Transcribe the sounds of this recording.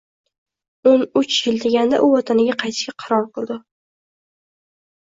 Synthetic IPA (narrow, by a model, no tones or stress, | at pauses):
onʊt͡ʃjɪld̪e̞ɡʲand̪a̰ʔʊwɒt̪ʰanɪɡʲaqʰɑjt̪ʰɪ̥ʃkʲaqʰɑɾɒɾˠqɨlˠd̪ɪ